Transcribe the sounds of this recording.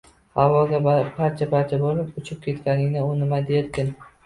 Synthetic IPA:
havɒɡʲab̥aɾt͡ʃʰabaɾt͡ʃʰabolɪpʊt͡ʃʰɪp̚kʲʰe̞t̪kʲanɪŋʲnɪʊnɪmad̪eɾd̪ʲɪn

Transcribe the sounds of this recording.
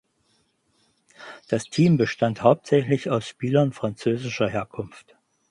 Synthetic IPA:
d̥astʰiːmbəʃtanthaʊp̚tz̥ɛçlɪçaʊsʃpiːlɐnfʁ̥ant͡søːzɪʃɐɦeːɐkʰʊnft

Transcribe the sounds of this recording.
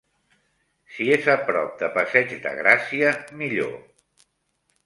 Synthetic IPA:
siezəpɾɔ̰p̚d̪əpəsɛd͡ʒd̪ə̰ɣɾasiəmiʎo̰

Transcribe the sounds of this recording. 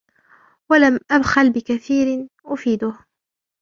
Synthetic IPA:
walamʔad̪xalbɪkaθiːɾ | ʔʊfiːd̪ʊh

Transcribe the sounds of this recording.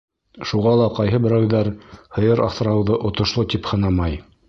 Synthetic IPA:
ʃuʁɑlˠɑqɑjɦɤbɘ̆ɾæwðæɾhɤ̆jɤɾʔɑ̰fθɤ̆ɾɑwðɤʔŏt̪ŏʃlˠot̪iphɤ̆nɑmɑj

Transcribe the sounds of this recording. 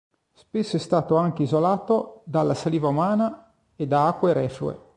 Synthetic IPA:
spesːoɛst̪aːt̪oaŋkeizolaːt̪od̪alːasaliːvaumaːna | ed̪aakːweɾɛːfuḛ

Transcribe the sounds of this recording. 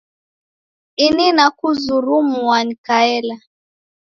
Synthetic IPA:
ininakuzuɾumuwaɲikaɛla

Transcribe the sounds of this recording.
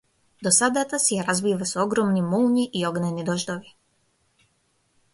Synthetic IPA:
d̪osad̪at̪asejaɾazʋiʋasuoɡɾomnimulɲiʔioɡnɛnid̪oʒd̪oʋi

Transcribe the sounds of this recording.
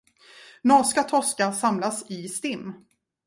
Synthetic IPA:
nɑːskat̪ʰɔskasamlasɪst̪ɪmː

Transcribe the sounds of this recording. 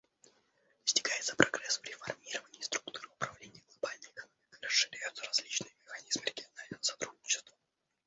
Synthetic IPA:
d̪əsʲtʲɪɡajɪt̪səpɾɐɡɾɛsvɾʲɪfɐrmʲiɾəvənʲɪːst̪ɾʊkt̪uɾɨʊpɾɐvlʲenʲɪjəɡlˠɐbalʲnəjəɪkɐnomʲɪkɨɾəʂːɨɾʲæjʊt̪səɾɐzʲlʲit͡ɕnɨjəmʲɪxɐnʲizmɨɾʲɪɡʲɪɐnalʲnəvəsɐt̪ɾud̚ʲnʲɪt͡ɕɪ̥st̪və

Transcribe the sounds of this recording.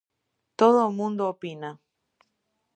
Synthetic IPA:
t̪oðomũnd̪oːpina

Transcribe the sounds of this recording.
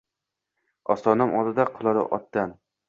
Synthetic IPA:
ɒst̪ɒnamʔɒld̪ɪd̪aqʰɨlˠɒɾɪ̰ʔɒ̰t̪̚ːan

